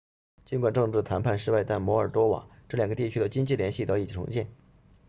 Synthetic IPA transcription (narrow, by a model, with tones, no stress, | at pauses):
t͡ɕi˥nkwa˨˩nʈ͡ʂɤ˥˧ŋʈ͡ʂɻ̩˥˩t̪ʰa˧˥npʰa˥˩˧nʂɻ̩˥˧wa˥˧ɪt̪a˥˩nmwɔ˧˥ə˞˨˩t̪wɔ˥wa̰˨˩˦ŋʈ͡ʂɤ˥˩ljɑ˨˩ŋɡə˦t̪i˥˩t͡ɕʰy˥d̪ə˨t͡ɕi˥ŋt͡ɕi˥˩ljɛ˧˥nɕi˥˩t̪ɑ˥ʊi˨˩t͡ɕʰi˨˩ʈ͡ʂʰʊ̰˧˥ŋɕjɛ˥˩n